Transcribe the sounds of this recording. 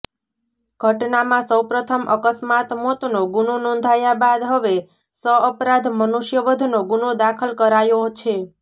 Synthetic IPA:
ɡ̥ʱəʈnamãsəwpɾət̪ʰəmʔəkəsmat̪mot̪noɡunonɔ̃nd̪ʱajabad̪ɦəʋe | səəpɾãd̪ʱmənuʃjəʋəd̪ʱnoɡunod̪akʰəlkəɾajot͡ʃʰe

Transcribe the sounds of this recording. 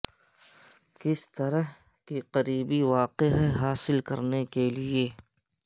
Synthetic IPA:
kɪst̪ɐɾəɦ | kiqɐɾiːbiʋaːqeɦɛɦaːsɪlkɐ̰ɾnekelieː

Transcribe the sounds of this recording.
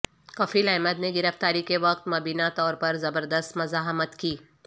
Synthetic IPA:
kɔfiːlɛːməd̪neɡɪɾəft̪aːɾikeʋɐq̚t̪mɐbiːnat̪ɔːɾpɐɾzɐbəɾd̪əst̪mɐzaːɦmət̪kiː

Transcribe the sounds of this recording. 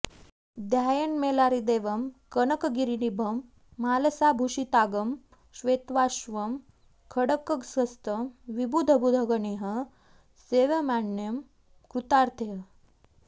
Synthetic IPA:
d̪jajənmelaɾid̪eːʋəmkənəkɡiɾinibʱəmː | aːləsabʱuʃit̪aɡəm | ɕʋet̪ʋaʃʋəm | kʰəɽəkːəksəst̪əmʋibud̪ʱəbʱud̪ʱəɡəɳeɦə | seʋəmaɳjəm | kɾut̪aɾt̪ʰeɦə

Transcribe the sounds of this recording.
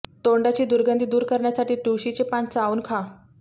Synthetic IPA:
t̪oɳɖat͡ɕiːd̪uɾɡənd̪iːd̪uːɾkəɾɳjasaʈiːʈuɕit͡sepãnt͡sauːnkʰa

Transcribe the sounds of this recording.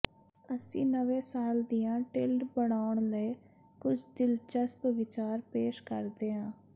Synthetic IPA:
əsĩːnəʋẽːsaːld̪iːãːʈɪlɖbəɽaːʊɳləi | kʊd͡ʒʰd̪ɪlt͡ʃəspəʋɪt͡ʃaːɾpeːʃkəɾd̪eːɦãː

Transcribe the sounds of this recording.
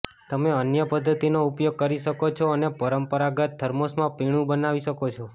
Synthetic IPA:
t̪əmeənjəpəd̪ʱːət̪inoupjoɡ̚kəɾiʃəkot͡ʃʰoənepəɾəmpəɾaɡət̪̚d̪ʱəɾmosmãpiɽ̃ũbənaʋiʃəkot͡ʃʰo

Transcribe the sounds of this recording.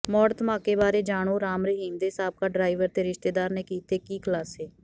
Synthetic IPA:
mɔːɾt̪mãːkeːbaːɾeːd͡ʒaːɽ̃oːɾaːmɾəɦiːmd̪eːsaːb̚kaːɖɾaːiʋəɾt̪eːɾɪʃt̪eːd̪aːɾneːkiːt̪eːkiːkʰəlaːseː

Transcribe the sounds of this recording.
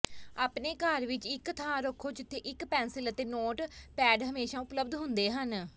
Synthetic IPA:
aːpneːkəɾʋɪt͡ʃɪkt̪ʰãːɾoːkʰoːd͡ʒɪt̪ʰːeːʔɪkpɛ̃ːnsɪlət̪eːnoːʈpɛːɖɦəmeːʃãːʊpləbd̪ɦʊnd̪eːɦən

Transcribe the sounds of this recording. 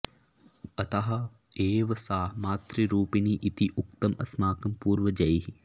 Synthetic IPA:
ɐt̪ɐɦɐ | eːʋɐsaːmaːt̪ɾiɾuːpiniʔit̪iʔuk̚t̪ɐmɐsmaːkɐmpuːɾʋɐd͡ʒɐjɦi

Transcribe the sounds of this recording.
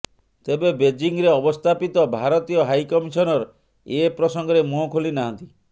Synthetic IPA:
t̪ebebed͡ʒiŋɾeɔbɔst̪ʰapit̪ɔbʱaɾɔt̪ijɔɦajkɔmisɔnɔɾɔ | epɾɔsɔŋɡɔɾemuɦɔkʰolinaɦɔnt̪i

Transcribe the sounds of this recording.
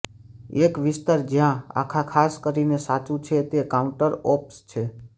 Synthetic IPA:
ekʋɪst̪aɾd͡ʒjãa̰kʰakʰaskəɾinesat͡ʃũt͡ʃʰet̪ekaũɳʈəɾɔpst͡ʃʰe

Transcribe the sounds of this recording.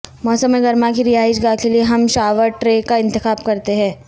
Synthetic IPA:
mɔːsəmːeɡɐɾmãkiɾijaːɪʃɡakelieɦɐmʃaːʋəɾʈɾeːkaɪ̃nt̪ɪxaːbkɐɾt̪eɦɛ̃ː

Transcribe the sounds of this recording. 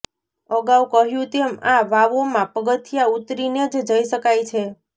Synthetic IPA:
əɡawkəɦjũt̪eəmãʋaʋomãpəɡət̪ʰijaut̪ɾined͡ʒd͡ʒəiʃəkajt͡ʃʰe

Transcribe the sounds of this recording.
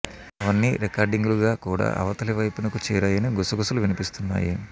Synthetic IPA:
ɐʋɐnːiɾekaːɾɖiŋɡuluɡaːkuːɽa̰ːʔɐ̰ʋɐt̪ɐliʋɐjpunɐkut͡ʃɛːɾaːjɐniɡusɐɡusɐluʋinipist̪unːa̰ːji

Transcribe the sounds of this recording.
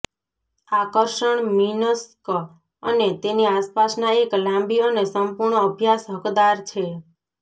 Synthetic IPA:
akəɾʃəɳminəsk | ənet̪eniaspasnaeklãmbiənesəmpuɾɳəəbʱjasɦəkd̪aɾt͡ʃʰe

